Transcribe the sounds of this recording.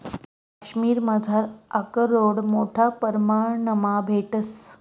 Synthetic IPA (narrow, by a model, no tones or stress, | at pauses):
kaɕmiːɾmad͡zʱaɾakəɾoɽmoʈʰapəɾmaɳəmabʱeʈəs